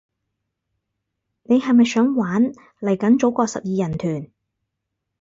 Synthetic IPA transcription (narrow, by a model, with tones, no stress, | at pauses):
ne˨˧jhɐ˨jmɐ˨jsœː˨˥ŋwaː˨˥n | lɐ˨˩jkɐ˨˥nt͡so˨˥wkɔː˧sɐ̰˨p̚jiː˨˧jɐ˨˩nt̪ʰyː˨˩n